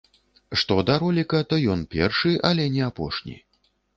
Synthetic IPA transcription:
ʂt̪ɔd̪aɾɔlʲikɐt̪ɐjɔnpʲɛrʂɨʔɐlʲɛnʲɛapɔ̰ʂnʲḭ

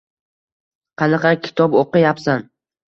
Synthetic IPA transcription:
qʰɑnɑqɑkʲʰɪ̥t̪ʰɒpoqɨjapsan

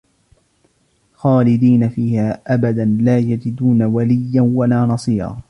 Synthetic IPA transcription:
xaːlɪd̪iːnafiːhaːʔabad̪anlaːjad͡ʒɪd̪uːnawalɪjːanwalaːnɑsˤiːɾɑ̰ː

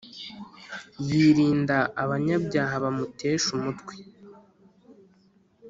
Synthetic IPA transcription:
jiːɾiːndaːβaɲabɟaːɦaβamute̞ːʃumutɡwe

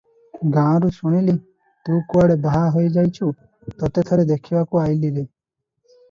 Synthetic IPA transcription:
ɡãɾusuɽ̃ili | t̪ũːkuaɽebaɦaɦojd͡ʒajt͡ʃʰu | t̪ɔt̪et̪ʰɔɾed̪ekʰibakuajliɾe

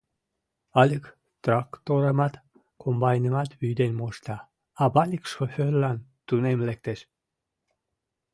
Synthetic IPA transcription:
ɑlʲək | t̪rɑkt̪oɾəmɑt̪ | kʰombɑjnəmɑt̪βyjd̪enmoʃt̪ɑ | ɑbɑlʲikʃoførlɑnt̪unemlek̚t̪eʃ

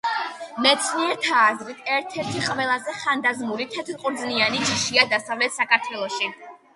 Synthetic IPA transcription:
mɛt̪sʰniɛɾt̪ʰaːzɾit̪ʰɛɾt̪ʰɛɾt̪ʰiqʼvɛlˠazɛχand̪azmulit̪ʰɛt̪ʰɾqʼuɾd̪znianit͡ʃʰiʃiad̪asavlɛt̪ʰsakʰaɾt̪ʰwɛlˠɔʃi

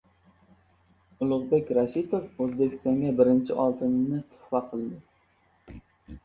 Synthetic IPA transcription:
ʊlˠʊʁbekʲɾaʃit̪ʰofɵzbekʲʰɪst̪ɒŋɡʲabɪɾɪnt͡ʃʰɪʔɒlˠt̪ʰɪnnɪt̪ʰʊ̥χwɑqʰɨlˠd̪ɪ

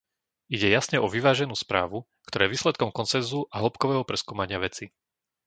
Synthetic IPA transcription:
iɟɛjasɲɛʔɔʋiʋaːʒɛnuːspɾa̰ːʋu | kt̪ɔɾaːɛʋiːslɛt̪̚kɔmkɔnt͡sɛnzuʔaɦɔpkɔʋɛːɦɔpɾɛskuːmaɲɪaʋɛt͡si

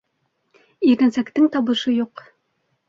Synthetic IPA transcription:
iɾɘ̆nsækt̪ɘŋt̪ɒβɤ̆ʃɤjuq

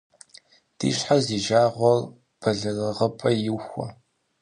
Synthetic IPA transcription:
d̥ḭːɕħaziːʒaːʁʷɔr | b̥ʰɐɮɐrɨʁəpʼɐjɪwxʷɔ̰

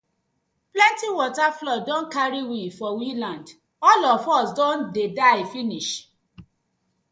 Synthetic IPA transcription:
plɛ̃ntĩwɔtaflɔdɔ̃nkaɾiwifɔwĩlãnd | ɔlɔfɔsdɔ̃ndedaɪfĩniʃ

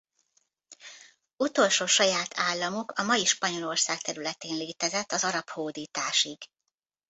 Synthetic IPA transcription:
ut̪o̞lʃoːʃɒjaːt̪ʰaːlːɒmukɒmɒjiʃpɒɲo̞lo̞rsaːk̚t̪ɛɾylɛt̪eːnleːt̪ɛzɛt̪ːɒzɒɾɒphoːd̪iːt̪aːʃiɡ̥

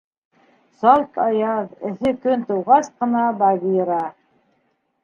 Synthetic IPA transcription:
sɑlˠt̪ɑjɑðɘ̆θɘkɵnt̪ɤ̆wʁɑsqɤ̆nɑbɑβiɾɑ

